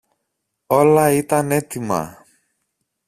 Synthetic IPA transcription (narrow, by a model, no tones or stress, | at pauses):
o̞lɐit̪ɐne̞t̪imɐ̰